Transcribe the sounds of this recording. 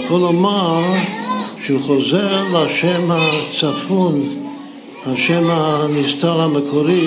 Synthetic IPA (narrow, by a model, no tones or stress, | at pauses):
χɔlɔmaɾ | ʃəuːχɔzɛɾlaʃɛmhat͡safun | haʃɛmanistaɾaməkɔɾi